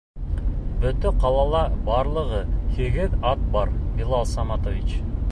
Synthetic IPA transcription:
bɵ̆t̪ɵqʰɑlˠɑlˠɑbɑɾlˠɤʁɤhiɡɘðɑt̪̚bɑɾilˠɑlˠsɑmɑt̪ovit͡ʃ

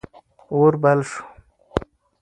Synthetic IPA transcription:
oɾbalʂu̥

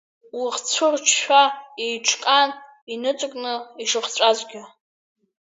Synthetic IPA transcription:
wiχt͡ɕʷʰʊrt͡ʃʰʃʷᶣaejʈ͡ʂʰkʼan | inɨt͡sʷʼɨkʼnɨiʂɨχt͡ɕʷʼazʷɡʲa

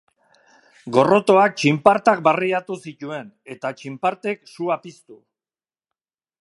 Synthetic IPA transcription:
ɡo̞ro̞t̪o̞ak̚t͡ʃimpaɾt̪ak̚bariat̪usic̪ue̞n | e̞t̪at͡ʃimpaɾt̪e̞ksuapist̪u

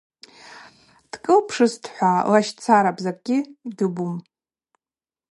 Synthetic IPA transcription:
d̥kʼɨlpʰʂɨstʰħʷalaʃt͡sʰaɾapʼzakʼɡʲɪidɨbum

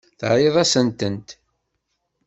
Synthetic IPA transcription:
θɾˤeðˤɑsənt̪ənt̪

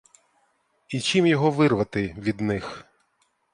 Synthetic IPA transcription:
it͡ʃimjɔɦɔʋɪrʋɐt̪ɪʋʲid̪nɪx

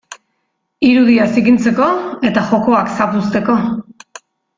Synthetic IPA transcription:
iɾuðiasikint͡se̞ko̞e̞t̪axo̞ko̞aksapust̪e̞ko̞

